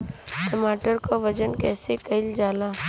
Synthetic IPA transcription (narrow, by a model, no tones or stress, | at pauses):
ʈəmaːʈəɾkaʋəd͡ʒənkɛːsekɐɪld͡ʒaːlaː